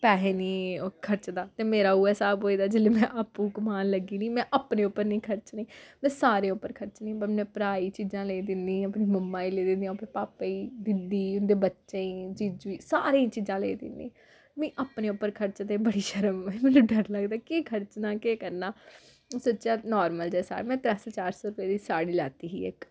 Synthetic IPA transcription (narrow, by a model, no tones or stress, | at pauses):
pɛːɦeːniːkʰəɾt͡ʃd̪aːt̪eːmeːɾaːʊːɛːsaːbɦoːiːd̪aːd͡ʒeːleːmɛ̃ːʔaːpːũːkʊmaːnləɡiːnĩːmɛ̃ːʔaːpneːʊpːəɾnĩːkʰəɾt͡ʃnĩːmɛ̃ːsaːɾẽːʊpːəɾkʰəɾt͡ʃnĩːbənɛ̃ːpɾaːiːt͡ʃiːzãːleːiːd̪ɪnd̪ĩːəpniːməmːãːiːleːd̪ɪnd̪ijãːpʰɪpaːpːaiːd̪ɪnd̪iːʊnd̪eːbətːʃẽĩːd͡ʒid͡ʒiːsaːɾẽːt͡ʃiːzãːleːd̪ɪ̰nd̪ḭ̃ː | mɛ̃ːʔaːpnẽːʊpːəɾkʰəɾt͡ʃt̪ẽbəɽiːʃəɾəməimɛ̃ːnũːɖəɾləɡd̪aːkeːkʰəɾt͡ʃnaːkeːkəɾnaː | sətːt͡ʃaːnɔːɾməld͡ʒɛːsa̰ːɾmɛ̃ːt̪ɾɛsːt͡ʃaːɾsɔːɾʊpeːd̪iːsaːɽiːla̰ːt̪iːɦḭːḛk